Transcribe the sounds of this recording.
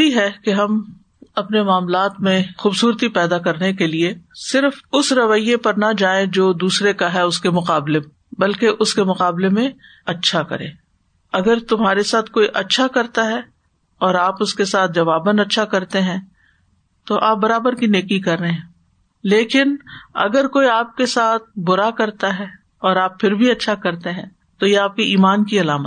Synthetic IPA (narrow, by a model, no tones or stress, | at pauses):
iɦɛkeɦɐm | ɐpnemaːmlaːt̪mẽxuːbsuːɾt̪ipɛːd̪akɐɾnekeliesɪɾfʊsɾɐʋəjːepɐɾnad͡ʒaːẽd͡ʒoːd̪uːsɾekaɦɛʊskemʊqaːble | bɐlkeʔʊskemʊqaːblemẽ | ɐtːʃʰakɐ̰ɾḛ̃ː | ɐɡəɾt̪ʊmɦaːɾesaːt̪ʰkoːiʔɐtːʃʰakɐɾt̪aɦɛ | ɔːɾaːpʊskesaːt̪̚ʰd͡ʒɐʋaːbənɐtːʃʰakɐɾt̪eɦɛ̃ː | t̪oʔaːp̚bɐɾaːbəɾkineːkikɐɾːɐɦẽɦɛ̃ | leːkɪnɐ̰ɡəɾkoːiaːp̚kesaːt̪̚ʰbʊɾakɐɾt̪aɦɛː | ɔːɾaːpfʰɪɾbʱiɐtːʃʰakɐɾt̪eɦɛ̃ː | t̪ojeaːp̚kiiːmaːnkiɐlaːmət̪